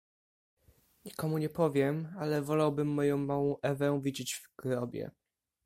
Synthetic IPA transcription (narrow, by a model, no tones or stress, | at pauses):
ɲikɔmuɲɛpɔvʲjɛmalɛvɔlawbɘmːɔjɔ̃w̃mawɔ̃w̃ʔɛvɛvʲid͡ʑed͡ʑv̥ɡ̥ɾɔbʲjɛ̰